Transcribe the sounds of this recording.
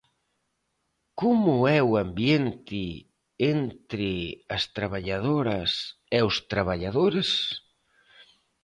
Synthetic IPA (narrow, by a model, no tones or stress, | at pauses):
komʊɛwambjent̪ɪ | ent̪ɾɪɐst̪ɾaβaʎað̞oɾɐs | ɛʊst̪ɾaβaʎaðoɾɪs